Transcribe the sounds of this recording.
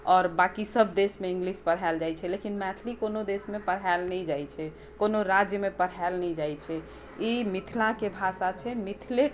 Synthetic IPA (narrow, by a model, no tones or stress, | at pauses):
ɔːɾbakisəbʱd̪esmeĩŋɡlispəɾ̤ɦald͡ʒajt͡ʃʰɛlekinmɛt̪ʰlikonod̪esmepəɾɦaɛlnɛid͡ʒajt͡ʃʰɛ | konoɾad͡ʒjəmepəɾ̤alnɛid͡ʒajt͡ʃʰɛ | imit̪ʰilakebʱasat͡ʃʰɛmit̪ʰile